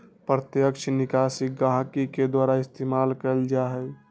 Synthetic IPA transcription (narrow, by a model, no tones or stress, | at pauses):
pɾət̪jəkʃʰnikaːsik̚ɡãɦkiked̪waːɾaɪst̪eːmalkəld͡ʒaɦɛ